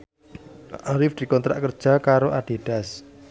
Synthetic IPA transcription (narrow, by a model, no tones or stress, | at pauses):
aɾɪfd̪̥i̤kɔnt̪ɾa̰ʔkərd̥ʒ̥a̤kaɾoʔaɖ̥e̤ɖ̥a̤s